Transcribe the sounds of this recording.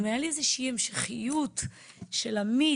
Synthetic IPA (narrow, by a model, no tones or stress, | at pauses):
majaliezeʃiiːhemʃeχijut | ʃelami